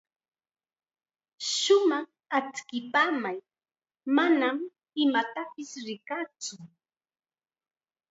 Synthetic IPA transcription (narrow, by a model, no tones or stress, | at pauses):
ʃʊmɑχ | at͡skɪpaːmaj | manam | ɪmat̪apɪsɾɪkat͡sʊ